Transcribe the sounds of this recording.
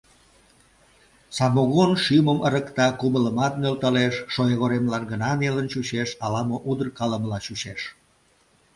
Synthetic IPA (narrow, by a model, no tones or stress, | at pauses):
sɑmoɣonʃyməmʔəɾəkt̪ɑkumələmɑt̪̚nølt̪ɑleʃːojeɣoɾemlɑnɡənɑnelənt͡ɕuɕeʃɑlɑmoʔud̪ərkɑləməlɑt͡ɕuɕeʃ